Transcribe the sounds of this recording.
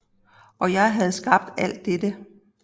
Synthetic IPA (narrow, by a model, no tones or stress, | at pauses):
ʔɒ̽jɑ̈ɪɦæð̞̩ˠsɡ̥ɑ̈b̥̚d̥æl̰d̥ːed̥ə